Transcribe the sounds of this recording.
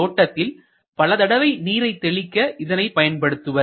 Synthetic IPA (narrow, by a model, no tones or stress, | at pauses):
oːʈːɐt̪ːɪl | pɐlɐt̪ɐɽɐʋɐɪniːɾɐɪt̪ːɛɭɪkːɐʔɪðɐnɐɪpɐjɐnpɐɽɯt̪ːɯʋɐ